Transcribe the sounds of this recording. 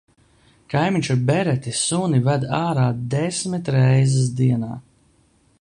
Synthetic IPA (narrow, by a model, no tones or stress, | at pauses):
kajmʲiɲʲt͡ʃubɛɾɛt̪ʲisunivæd̪aːɾaːd̪ɛsmit̪ɾɛjzɛs̬d̪iɛna̰ː